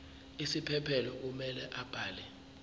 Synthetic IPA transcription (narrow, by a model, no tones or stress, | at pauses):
isipʰɛpʰɛlɔk̬umɛlɛʔab̥ʱaːlɛ